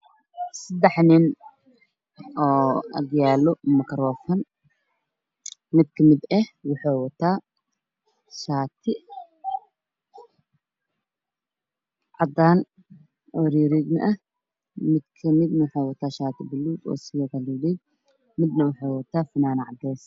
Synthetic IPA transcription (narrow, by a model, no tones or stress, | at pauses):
sɐd̪ɛħnɪn | ʔɔːɐ̰ɡjaːlɔmɐkʰɐɾɔːfɐn | mɪd̪kʰɐmɪd̪ɛhwʊħoːwɐt̪ʰːaː | ʃaːt̪ʰɪ | ʕɑd̪aːn | ʔɔːɾiːɾiɡ̪nɐ̰ʔɐ | mɪd̪kʰɐmɪd̪nɐwʊħaːwɐt̪ʰaːʃaːt̪ʰɪbɪlːuːd̪ɔ̰ːsɪjɐɡɐliːlɛd̪ | mɪd̪nɐwʊħaːwɐt̪ʰaːfɪnaːnʕɑd̪ɛːs